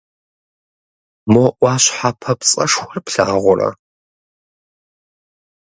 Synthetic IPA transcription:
moʔʷɑːɕħapʰɐpt͡sʼɐʂxʷɔrpɬaːʁʷʊrɐ̰

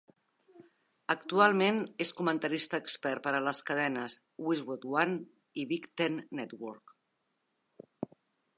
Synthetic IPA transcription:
əkt̪ualˠmeneskumənt̪əɾist̪əːkspɛɾpəɾələskəð̞ɛnəs | wizwut̪wan | iβikt̪enːɛt̪wɔɾk

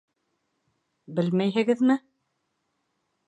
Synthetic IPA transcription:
bɘlmæjɦɘ̆ɡɘðmɘ

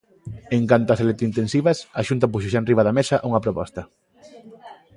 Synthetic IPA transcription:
eŋkant̪oɐselet̪ɾint̪ensiβ̞ɐsɐʃunt̪̬ɐpuʃoʃ̬aenriβɐðɐmesɐʔuŋɐpɾopɔst̪ɐ

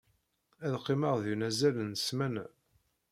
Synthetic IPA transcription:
æðqːimɑʁðinæzælənəsmæn

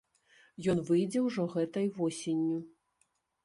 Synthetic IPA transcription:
jɔnvɨjd͡zʲɛwʐɔɣɛt̪ɐjvɔsʲenʲːu

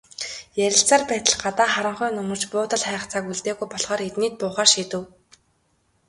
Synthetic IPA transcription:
jæɾʲɪ̆ɬt͡saːrpæːt̪ə̆ɮɢat̪aːχaɾə̆ɴχʊːnɵmɵ̆t͡ɕpʊːt̪ə̆ɮχæːχt͡sʰaːkuɮt̪eːɣujpɔɮχɔːɾet̪niːt̪̚pʊːχaːʃiːt̪ɘ̆w

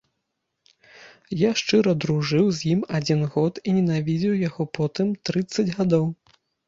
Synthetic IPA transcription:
jaʂt͡ʂɨɾɐd̪ɾuʐɨwzʲjimad͡zʲinɣɔt̪inʲɛnavʲid͡zʲiwjaɣɔpɔt̪ɨmt̪ɾɨt̪sːɐd͡zʲɣad̪ɔw

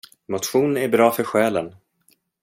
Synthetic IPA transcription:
mʊt̪ɧuːnæɾbɾɑːfœɾɧɛːlən

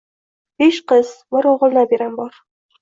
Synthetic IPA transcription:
beʃqɤzmoɾoʁəlˠnɑbeɾæmbɒɾ

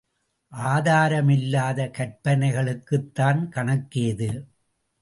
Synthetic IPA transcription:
ʔaːðaːɾɐmɪlːaːðɐkɐɾpɐnɐɪɣɐɭɯkːɯt̪ːaːnkɐɳɐkːeːðɯ

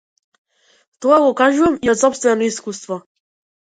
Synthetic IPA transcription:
t̪ɔaɡɔkaʒuvamiɔsɔpst̪vɛnɔiskust̪vɔ

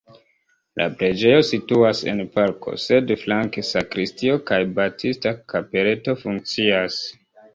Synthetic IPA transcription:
lʔa̰pɾe̞d͡ʒe̞jo̞situase̞̰npaɾkʰo̞̰se̞dflaŋkesakɾistio̞kajbatʰistakape̞ɾe̞to̞fuŋk̚t͡sias

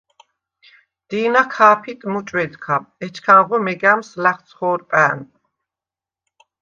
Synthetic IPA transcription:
d̪̥iːnakʰaːpʰit̪ʼmut͡ʃʼwɛd̪kʰaɛt͡ʃʰkʰaːʁɔmɛɡæmslæχt̪sʰχɔːɾpʼæːn

